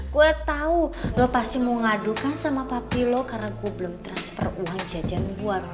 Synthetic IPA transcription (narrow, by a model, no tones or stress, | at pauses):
kuɛt̪audɔpast̪imoŋadukansamapapilɔkaɾakubəlʊmt̪ɾanspɔ̰ruaŋd͡ʒad͡ʒanbuat̪̚